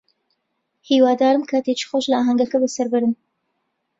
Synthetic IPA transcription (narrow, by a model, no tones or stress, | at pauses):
hiːwaːd̪aːɾɨmkʰat̪et͡ʃi̥xoʃlɐaːɦɐŋɡɐkɐbəsɐɾbɨɾɨn